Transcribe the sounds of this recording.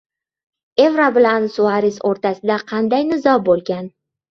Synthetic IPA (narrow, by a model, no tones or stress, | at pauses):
e̞vɾabɪlansʊaɾɪsoɾt̪ʰasɪd̪aqʰɑnd̪ajnɪzɒbolˠɡʲan